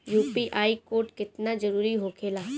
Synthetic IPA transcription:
juːpiʔaːikoːɾʈkɪt̪nad͡ʒɐɾuːɾiɦoːkʰeːlaː

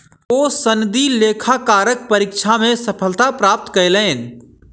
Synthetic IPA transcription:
oːsənd̪ileːkʰakaːɾək̚pəɾikʃʰamẽsəpʰəlt̪apɾaːp̚t̪kəjləːn

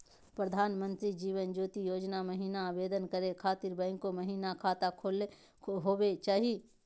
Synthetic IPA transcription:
pɾəd̪ʱaːnmə̃nt̪ɾid͡ʒiːʋənd͡ʒoːt̪ijoːd͡ʒnaməɦiːnabeːd̪ənkəɾekʰaːt̪ɪɾbə̃ːɪŋkoməɦiːnakʰaːt̪akʰole | ɦoːwet͡ʃaːɦie

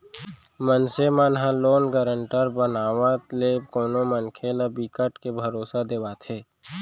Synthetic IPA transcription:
mənsemaːnɦãloːnɡəɾəɳʈəɾbənaːʋãt̪leːbkoːnõmənkʰeləbiːkəʈkebʱəɾoːsad̪eʋaːt̪ʰeː

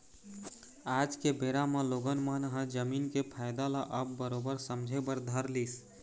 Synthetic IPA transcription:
aːd͡ʒkebeɾamẽloɡənmənɦə̃d͡ʒəminkepʰaɪd̪alaʔəbːəɾobəɾsəmd͡ʒʱebəɾd̪ʱəɾlis

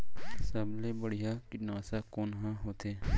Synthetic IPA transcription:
səblebəɽ̤ijakɪnaːsakoːnɦãɦoːt̪ʰeː

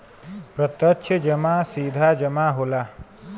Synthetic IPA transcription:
pɾɐt̪əʃʰəd͡ʒɐmaːsiːd̪ʱaːd͡ʒəmaɦolaː

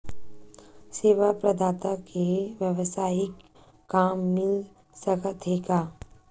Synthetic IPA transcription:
seːʋapɾɐd̪aːt̪akʰeʋjəʋsaːɪkː | aːmːɪl | sɐkət̪ʰɦeːɡaː

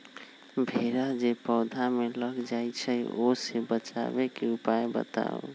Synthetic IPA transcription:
bʱeɾad͡ʒepɔʊd̪ʱameləɡd͡ʒajt͡ʃʰəosebət͡ʃa̰bekeupajbə̰t̪a̰o̰

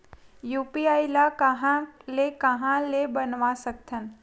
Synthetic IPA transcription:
juːpiaːjlakəɦãlekəɦãlebənʋasək̚t̪ʰən

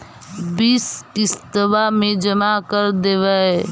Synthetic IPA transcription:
biskist̪əbamẽd͡ʒəmakəɾd̪eːʋaɛ

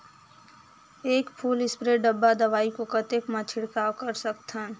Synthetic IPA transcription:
eːkpʰuːlɪspɾeɖəbːad̪ɐʋaːikokət̪ekmãt͡ʃʰɪɽkaːwkəɾsəkt̪ã

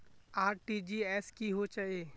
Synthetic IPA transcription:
aːɾʈid͡ʒiɛːskiɦot͡ʃaeː

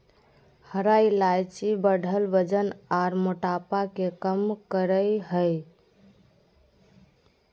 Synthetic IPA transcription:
həɾailajt͡ʃibəɽʱəlbəd͡ʒənaɾmoʈapakekəmkəɾəjɦəj

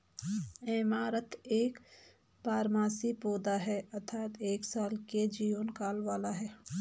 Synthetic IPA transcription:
emaːɾət̪eːk | paːɾmaːsipoːd̪aɦɛɐt̪ʰaːt̪eːksaːlked͡ʒiːʋənkaːlʋaːlaɦɛː

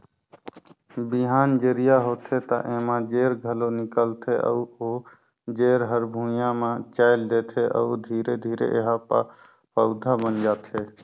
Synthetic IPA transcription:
biɦaːnd͡ʒeɾijaɦot̪ʰet̪ə̰ʔemãd͡ʒeɾɡʱəlonikəlt̪ʰeʔə̰uo | d͡ʒeːɾɦəɾbʱũjamẽt͡ʃaɪld̪et̪ʰeʔə̰ud̪ʱiɾed̪ʱiːɾḛʔḛɦapa̰ | pəʊd̪ʱabənd͡ʒaːt̪ʰe

